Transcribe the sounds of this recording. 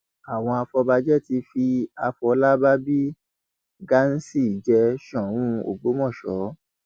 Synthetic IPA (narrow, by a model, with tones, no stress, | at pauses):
a˨w̃ɔ̃˧a˧fɔ˧ba˧d͡ʒɛ˦ti˧fi˧a˧fɔ˧˦la˦ba˦bi˦ | ɡa˦n̩˦si˦˨d͡ʒɛ˧ʃɔ̃˨ũ˦o̰˨ɡ͡bo˨˦mɔ̃˦˨ʃɔ˨˦